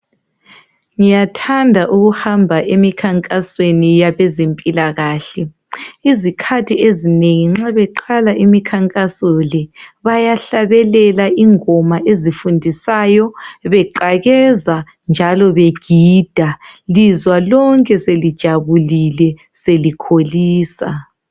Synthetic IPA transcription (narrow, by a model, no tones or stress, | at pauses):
ŋijatʰandʱaʔuɣuhambʱaʔemikʰaŋkʼaswenijaβɛzempʼilaɣaːɬɛ | izikʰatʰiezineŋiŋ͡ǁaβɛǃalaʔimikʰaŋkʼasɔlɛβajaɬaβɛlɛlaʔiŋɔmaʔezifundʱisaːjɔβɛǃaɣɛza | nd͡ʒʱalɔβeɡ̥ʱiːd̥ʱalizwalɔŋkʼɛselid̥ʒ̥ʱaβulilɛ | selikʰoliːsa̰